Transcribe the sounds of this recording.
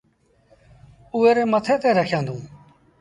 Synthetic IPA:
ueːɾeːmət̪ʰeːt̪eːɾəkʰjãːnd̪ʱũː

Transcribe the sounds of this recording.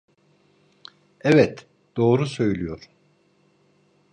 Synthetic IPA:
ɛvɛt̪ | d̪̥o̞ːɾusø̞jlʲyjoɾ

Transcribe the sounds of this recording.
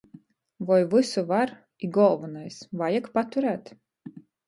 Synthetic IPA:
vɔjvɨsuvaɾ | iɡɔlˠvɨnajsvajakpat̪uɾæːt̪

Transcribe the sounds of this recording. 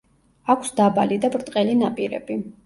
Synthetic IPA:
akʷʰsd̪abalid̪abɾt̪ʼqʼɛlinapʼiɾɛ̰b̥i

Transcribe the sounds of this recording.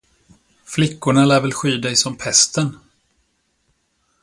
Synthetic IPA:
flɪkːʊɳalæːɾvɛlɧyːd̪ɛjsɔmpʰɛst̪ən

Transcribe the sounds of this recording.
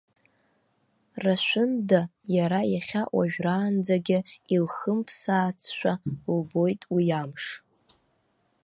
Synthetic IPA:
raʃʷʊndajaɾajaχʲaʔwa̰ʒᶣraːnd͡zaɡʲɪilχəmpʰsaːt͡sʰʃʷᶣalbo̞jtʼwijamʂ

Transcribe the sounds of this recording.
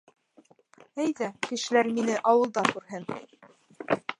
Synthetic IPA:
æjðækɘ̆ʃɘ̆læɾminɘʔɑwɤ̆lˠd̪ɑkʉɾɦɘn

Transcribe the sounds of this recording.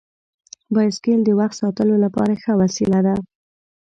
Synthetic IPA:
bɑjskeld̪əwaxt̪sɑt̪əlolapɑ̰ɾaxəwasilad̪a

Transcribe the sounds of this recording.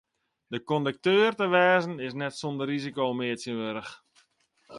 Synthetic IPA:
dəkɔndək̚tøːrtəʋɛːzənɪsnɛtsondərizikoːmɪətjənʋøɾəx

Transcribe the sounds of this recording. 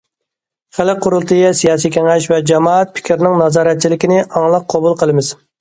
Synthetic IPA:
χælɪqʰːʊɾʊlˠt̪ʰɨjɛsijɑːsijkʲæŋɛʃvɛd͡ʒɑmɑːɛt̪̚pʰɪ̥kʲʰɾnɪŋnɑzɑːɾɛt̪̚t͡ʃʰilɪkʲinɪʔɑŋlˠɑq̚ʰːɑbulˠqʰəlˠɨmɪz̥

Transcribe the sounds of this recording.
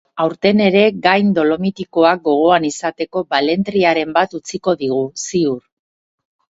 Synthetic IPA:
awɾt̪e̞ne̞ɾe̞ɡajnd̪o̞lo̞mit̪iko̞ak̚ɡo̞ɣ̞o̞anisat̪e̞ko̞bale̞nt̪ɾiaɾe̞mbat̪ut͡siko̞ðiɣ̞usiuɾ

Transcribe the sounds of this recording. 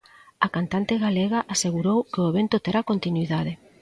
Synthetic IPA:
akant̪ant̪ɪɣaleɣ̞aʔaseɣuɾowkeoeβent̪ot̪eɾakont̪inuiðaðe

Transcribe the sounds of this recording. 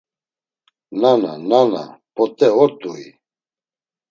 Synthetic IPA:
nana̰nana̰bʼɔt̪ʼɛɔɾt̪ʼui

